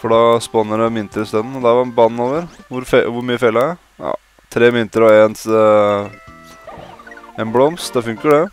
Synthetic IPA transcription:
fɔɖɑspɔnːəɖɛmɪnt̪əɾəst̪œnn̩ɔd̪æʋɑɾbɑnːoːʋəɾʋʊɾfeʋʊɾmyːəfeːləæ | ɑ̰ | t̪ʰɾeːmɪnt̪əɾɔɛns | eːnblɔmst̪d̪ɑfʉŋkəɖɛ

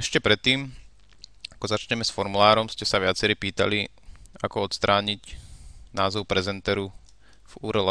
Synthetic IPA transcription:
ɛʃcɛpɾɛt̪ːiːm | akɔzat͡ʃɲɛmɛsfɔɾmulaːɾɔmscɛsaʋɪat͡sɛɾiːpiːt̪a̰li | a̰kɔɔt̪st̪ɾʔaːɲicnaːzɔʊpɾɛzɛnt̪ɛːɾu | vuːɾɛla

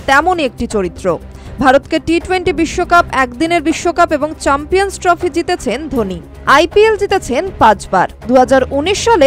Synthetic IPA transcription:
t̪ɛmoniek̚ʈit͡ɕoɾit̪ːɾo | bʱaɾot̪keʈiʈweɳʈibiʃːokapɛkd̪ineɾbiʃːokapeboŋt͡ɕɛmpionsʈɾɔfʰid͡ʑit̪et͡ɕʰend̪ʱoni | ajpield͡ʑit̪et͡ɕʰenpãt͡ɕbaɾd̪uɦad͡ʑaɾuniʃːale

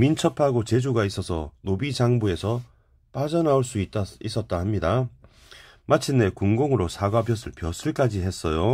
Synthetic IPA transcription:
mint͡ɕʰʌpʰaɡot͡ɕe̞d͡ʑuɡais͈ʌsʰʌ̰nobid͡ʑaŋbue̞sʰʌ | p͈ad͡ʑʌnauɭs͈uit͈is͈ʌt̚t͈ahamɲida | mat͡ɕʰinːe̞kuŋɡoŋɯɾosʰaɡabjʌsʰɯɭpjʌsʰuɭk͈ad͡ʑiɦe̞s͈ʌjo

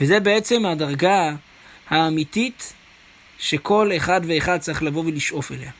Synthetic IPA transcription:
veze̞beet͡se̞mhadaʁɡa | haːmit̪it | ʃe̞kʰo̞leχad̪veːχad̚t͡saiχlavo̞veliʃʔo̞fe̞̰le̞a

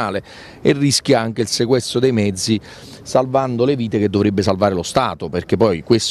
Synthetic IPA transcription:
aːle | erːisk̟jaaŋk̟eilsekwɛst̪ɾod̪ejmɛd̪zːi | salvand̪oleviːt̪ek̟ed̪ːovɾebːesalvaːɾelost̪a̰ːt̪operk̟epːɔjkwes

